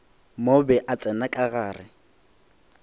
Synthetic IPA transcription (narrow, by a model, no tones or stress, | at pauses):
mobɛʔat͡sʼɛnakʼaɣaːrɪ